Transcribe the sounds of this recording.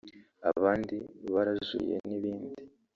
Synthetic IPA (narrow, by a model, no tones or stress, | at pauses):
a̰βaːndiβaɾazṵjḛniβiːndi